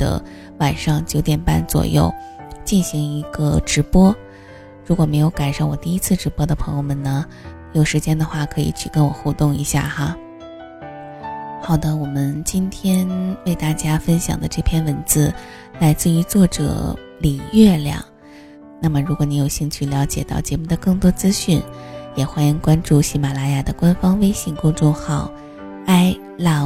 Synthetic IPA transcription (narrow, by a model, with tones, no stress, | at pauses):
d̪̥ə̰˧˩ | wa˨˩nʂɑ˥˩ŋt͡ɕjo˧˥ʊt̪jɛ˨˩npa̰˥˩nt͡swɔ̰˨˩jo̰˥˩ʊ | t͡ɕi˥˩nɕi˧˥ŋi˧˥ɡə˧ʈ͡ʂɻ̩˧˥pwɔ˥ | ɻu˧˥kwɔ˨˩me˧˥ɪjo˧˥ʊka˨˩nʂa˥˩wɔ˨˩t̪i˥˩i˥t͡sʰɹ̩˥˩ʈ͡ʂɻ̩˧˥pwɔ˥d̪ə˨pʰɤ˧˥ŋjo˧ʊmə˨˩nnə˩ | jo˨˩ʊʂɻ̩˧˥t͡ɕjɛ˥nd̪ə˧˨xwa˥˩kʰɤ˧˥ḭ˨˩t͡ɕʰy˥˩kə˥nwɔ˨˩xu˥˧t̪ʊ˥˩ŋḭ˧˥ɕja̰˥˩xa˧ | xɑ˨˩ʊd̪ə˦wɔ˨˩mə˦nt͡ɕi˥nt̪ʰjɛ˥nwe˥˧ɪt̪a˥˩t͡ɕja˥fə˥nɕjɑ̰˨˩ŋd̪ə˦ʈ͡ʂɤ˥˩pʰjɛ˥˧nwə˧˥nt͡sɹ̩˥˧ | la˧˥ɪt͡sɹ̩˥˩y˧˥t͡swɔ˥˩ʈ͡ʂɤ̰˨˩˦ | li˨˩ɥɛ˥˩ljɑ̰˨˩˦ŋ | na˥˩mə˩ɻu˧˥kwɔ˧˥ni˧˥jo˨˩ʊɕi˥˧nt͡ɕʰy˥˩ljɑ˧˥ʊt͡ɕjɛ̰˨˩t̪ɑ˥˩ʊt͡ɕjɛ˧˥mu˥˩d̪ə˩kɤ˥˩ŋt̪wɔ˥t͡sɹ̩˥ɕy˥˩njɛ˨˩xwa˥ni˧˥ŋkwa˥nʈ͡ʂu˥˩ɕi˧˥ma˨˩la˧˥ja˥˩d̪ə˩kwa˥nfɑ˥ŋwe˥ɪɕi˥˩ŋkʊ˥ŋʈ͡ʂʊ˥˧ŋxɑ˨˩ʊ | a˥ɪ | la˧˥